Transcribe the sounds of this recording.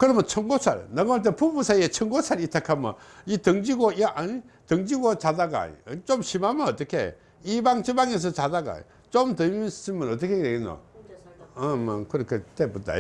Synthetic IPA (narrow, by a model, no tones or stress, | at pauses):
kɯɾʌmʌnt͡ɕʰɯŋɡosʰa̰ɭnaɡmaɭt̬ʰepubusʰaiet͡ɕʰɯŋɡosʰaɭitʰakʰamo̰itɯŋd͡ʑiɡoiʔaɲitɯŋd͡ʑiɡot͡ɕadaɡa̰ɲ̰t͡ɕomɕʰimamjʌnʌt̪͈ːʌkʰḛ | ibaŋt͡ɕibaŋes̬ʰʌt͡ɕadaɡa̰j̰ | t͡ɕomtɯsɯmʌnʌt̬ʌkʰekdeɡenːo̰ | mkɯɾkʰeteputa̰jo